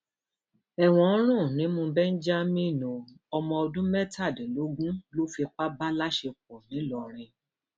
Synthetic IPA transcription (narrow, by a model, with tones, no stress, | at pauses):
ɛ˨w̃ɔ̃˨˦ɾ̃ũ˦˨nĩ˨˦mũ˧bɛ˦n̩˦d͡ʒa˦mĩ˦˨nũ˨ | ɔ˧mɔ̃˧ɔ˧dũ˦mɛ˦ta˦˨dlo˨˦ɡũ˦lo˦fi˧k͡pa˦ba˦la˦ʃe˧k͡p̚ɔ˨nĩ˨˦lɔ˧ɾ̃ĩ˧